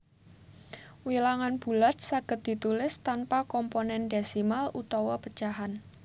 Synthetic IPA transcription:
wilaŋanb̥ṳlat̪̚saɡ̥ə̤t̪̚d̪̥i̤t̪ulɪst̪anpakɔmponɛndesimalʔut̪ɔwɔpə̥t͡ʃaɦan

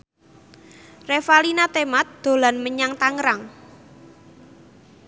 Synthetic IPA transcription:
refalinat̪emat̪̚d̪̥o̤lanməɲaŋt̪aŋɾaŋ

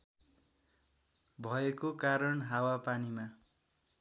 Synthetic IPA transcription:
bʱʌekokaɾʌnɦawapanima

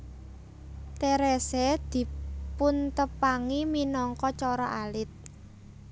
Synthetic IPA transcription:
t̪eɾɛsɛd̪̥i̤punt̪əpaŋiminɔŋkɔt͡ʃɔɾɔʔalɪt̪̚

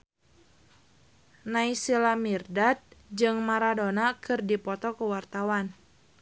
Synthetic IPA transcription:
naisilamirdat̪̚d͡ʒɨŋmaɾadonakʰɨrdipɔt̪ɔkəwart̪awan

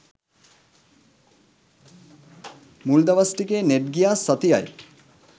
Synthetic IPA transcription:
muld̪ɐʋɐsʈikeːneɖ̚ɡijaːsːɐt̪ijɐ̰j

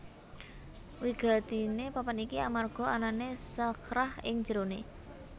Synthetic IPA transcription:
wiɡ̥a̤t̪inepapanikiamarɡ̥ɔ̤ananesakɾahɪŋ̥d͡ʒ̥əɾone

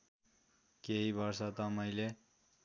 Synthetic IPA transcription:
keɦibʌɾsat̪ʌmʌjle

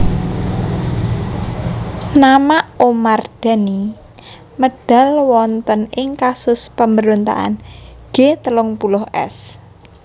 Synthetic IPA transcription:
namaʔomard̪̥a̤ni | məd̥a̤lwɔnt̪ənɪŋkasʊspəmbəɾont̪a̰ʔa̰nɡ̥et̪əlʊŋpulʊhʔɛ̰s

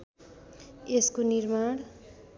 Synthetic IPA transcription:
eskonirmaɽ̃

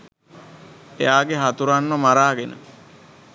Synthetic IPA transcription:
ejaːɡeɦat̪uɾanːəmaɾaːɡenʔə̰

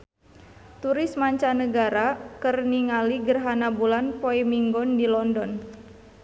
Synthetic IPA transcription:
t̪uɾɪsmaɲt͡ʃanəɡaɾakərniŋaliɡərɦanabulanpoimiŋɡɔndilɔndɔn

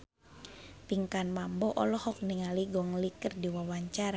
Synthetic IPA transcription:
piŋkanmambɔʔɔlɔhɔk̚niŋaliɡɔŋlikərdiwawaɲt͡ʃaɾa

